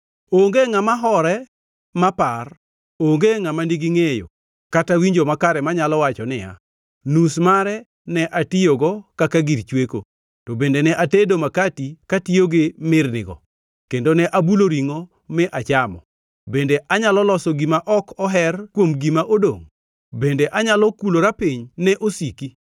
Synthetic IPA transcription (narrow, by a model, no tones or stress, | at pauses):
oŋɡeŋamaɦɔɾɛ | mapar | oŋɡeŋamandiɡiŋejo̰ | katawiɲd͡ʒomakaɾɛmaɲalɔwat͡ʃɔnɪja̰ | nusmaɾɛ | nɛʔatɪjoɡɔkakaɡiɾt͡ʃweko̰ | tobendenɛʔatedomakatikatɪoɡemɪrnɪ̰ɡɔ̰ | kendonɛʔabuloɾiŋo | mɪʔat͡ʃamɔ̰ | bendeʔaɲalɔlɔsɔɡimaʔɔkɔɦɛrkwomɡimaʔodo̰ŋ | bendeʔaɲalɔkuloɾapɪɲnɛʔosiki